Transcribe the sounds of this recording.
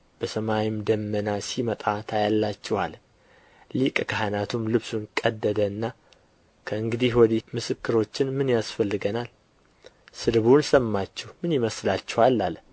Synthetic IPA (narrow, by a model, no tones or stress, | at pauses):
b̥əsəmajimd̪əmːənasimət̪ʼat̪ʰajalːat͡ʃːɛwa̰l | likʼkʰaɦanat̪ʰumlɨβsunkʼəd̪ːəd̪əɨnːa | kʰəɨŋɡɨd̪ihwɔd̪imɨsɨkːɨɾo̞t͡ʃːɪnmɨnjasfəlːɨɡənal | sɨd̪βunsəmːat͡ʃːɛhmɨnjɪməslat͡ʃːɛwalːal